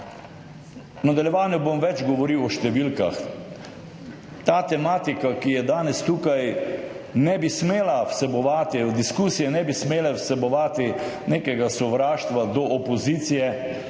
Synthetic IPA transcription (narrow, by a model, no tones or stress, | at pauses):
nad̪aljɛʋaːnjɔbomʋɛd͡ʒɡɔʋɔɾiwɔʃt̪ɛʋilka̰x | t̪aːt̪ɛmaːt̪ikakijɛd̪aːnɛst̪uːkaj | nɛbismeːlawsɛbɔʋaːt̪id̪iskusijɛnɛbismeːlɛwsɛbɔʋaːt̪i | neːkɛɡasɔʋɾaːʃt̪ʋad̪ɔʔɔpɔziːt̪sijɛ